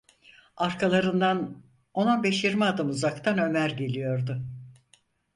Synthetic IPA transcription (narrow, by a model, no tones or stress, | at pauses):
aɾkʰalˠaɾɯnd̪an | o̞nabeʃjiɾmiaːd̪ɯmuzakt̪ʰanø̞mæɾɟe̞lʲijo̞ɾd̪ʊ